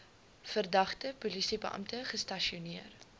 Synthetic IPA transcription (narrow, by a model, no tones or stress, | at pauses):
fərdɐχtəpulisibəʔɐ̰mtəχəstɐʃiuniər